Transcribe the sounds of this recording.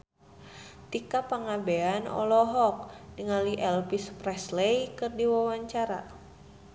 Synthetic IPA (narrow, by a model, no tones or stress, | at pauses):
t̪ikapaŋabeanɔ̰lɔɦɔk̚niŋaliʔɛlpisprɛslejkɨrdiwawaɲt͡ʃaɾa̰